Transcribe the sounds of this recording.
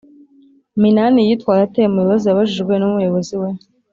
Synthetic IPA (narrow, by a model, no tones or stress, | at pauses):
minanijitwaːɾateemujuβaziaβaʒiʒɡwenumujo̞βo̞ziwe